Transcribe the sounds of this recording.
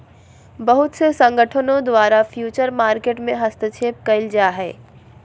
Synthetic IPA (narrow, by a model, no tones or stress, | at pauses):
bɐɦʊt̪sesɐ̃ŋɡəʈʰənõd̪ʋaːɾafjuːt͡ʃəɾmaːɾkeːʈmẽɦɐst̪ət͡ʃʰeːp̚kɐɪld͡ʒaːɦɛː